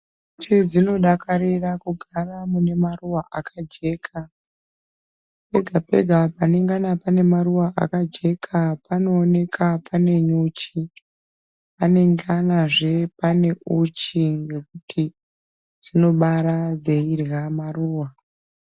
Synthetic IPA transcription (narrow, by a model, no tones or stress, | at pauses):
t͡ʃid͡zino̞ɗakaɾirakuɡʱaramune̞maruwaʔakʰad͡ʒe̞ːkʰa | pe̞ɡʱape̞̰ɡʱapane̞ŋɡanapane̞maruwaʔa̰kad͡ʒe̞kʰapanoːne̞kʰapane̞ɲut͡ʃi | pane̞ŋɡanaʐe̞pane̞ʔut͡ʃiŋɡe̞kutʰi | d͡zino̞ɓaɾad͡zeirɣamaruːwa